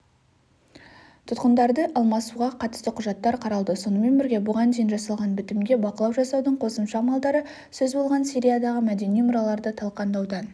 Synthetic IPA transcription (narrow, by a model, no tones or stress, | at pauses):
t̪ʰʊt̪qənd̪ɑɾd̪əʔɑlˠmɑsuʁɑqʰɑt̪ə̥st̪əqʰʊʒɑt̪ːɑɾqʰɑɾɑlˠd̪əso̞nəme̞nbɪɾɡʲe̞bʊʁɑnd̪ejɪnʒɑsɑlˠʁɑnbɪt̪ɪmɡʲe̞bɑqəlˠɑwʒɑsɑwd̪əɴqʰo̞səmʃɑmɑlˠd̪ɑɾə | sɵzbo̞lˠʁɑnsiɾʲijad̪ɑʁəmæd̪e̞nijmʊɾɑlˠɑɾd̪ət̪ʰɑlˠqɑnd̪ɑwd̪ɑn